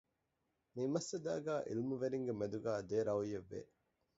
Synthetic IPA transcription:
mimɐsːɐd̪æ̰ːɡæːʔḭlmuʋeɾiŋɡemed̪uɡæːd̪eːɾɐujeʋːḛ

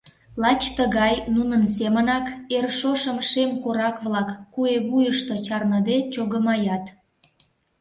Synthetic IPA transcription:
lɑt͡ɕt̪əɣɑjnunəns̬emənɑkerʃoʃəmʃemkoɾɑkβlɑkːueβujəʃt̪et͡ɕɑrnəd̪et͡ɕoɣəmɑjɑt̪

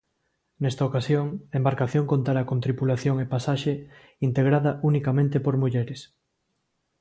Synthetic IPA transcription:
nɛst̪ɐokasjoŋaembaɾkaθjoŋkont̪aɾakõnt̪ɾipulaθjoŋepasaʃe | int̪eɣ̞ɾaðɐʔunikamẽnt̪epoɾmuʎɛɾes

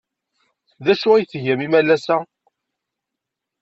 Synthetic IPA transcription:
ðæʃuæjθʝæmimælːæsæ

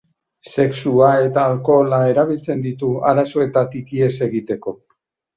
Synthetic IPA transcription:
se̞ksuae̞t̪aːlko̞lae̞ɾaβ̞ilt͡se̞nd̪it̪ua̰ɾaso̞e̞t̪at̪ikie̞se̞ɣit̪e̞ko̞

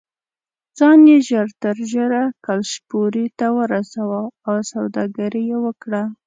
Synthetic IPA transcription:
d͡zɑnjeʒəɾt̪əɾʒəɾakalʃpoɾit̪awəɾasawaːwsawd̪ɑɡaɾijewəkɽa

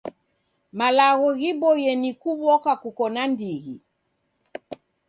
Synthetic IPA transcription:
malaɣɔɣiɓɔjɛnikuβɔkakukɔnandiɣi

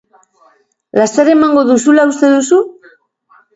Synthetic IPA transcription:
last̪eɾe̞maŋɡo̞ðusulaust̪e̞ðusu

